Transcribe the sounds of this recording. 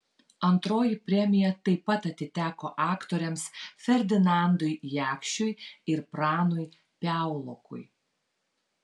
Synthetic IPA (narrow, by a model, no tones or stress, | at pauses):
ɐnt̪ɾoːjɪpʲɾʲɛmʲɪjɛt̪ɐɪpːɐt̪ɐt̪ʲɪt̪ʲæːkoːʔɑːkt̪oːɾʲɛmsfʲɛɾʲd̪ʲɪnɑˑnd̪ʊɪjæːkʃʲt͡ʃʲʊjɪɾpɾɑːnʊj | pʲæˑʊlˠokʰʊ̰j